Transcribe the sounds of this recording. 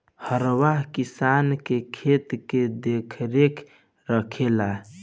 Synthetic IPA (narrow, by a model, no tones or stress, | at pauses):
həɾwaɦkisankekʰet̪ked̪ekʰɾekʰ | ɾəkʰela